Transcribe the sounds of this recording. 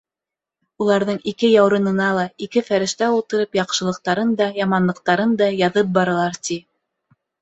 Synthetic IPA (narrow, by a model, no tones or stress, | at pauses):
ulˠɑɾðɤɴikɘjɑwɾɤ̆nɤ̆nɑlˠɑikɘfæɾɘ̆ʃt̪æulˠt̪ɤ̆ɾɤpjɑqʃɤ̆lˠɤ̆q̚t̪ɑɾɤnd̪ɑjɑmɑnlˠɤ̆q̚t̪ɑɾɤnd̪ɑjɑðɤp̬̚bɑɾɤ̆lˠɑɾt̪i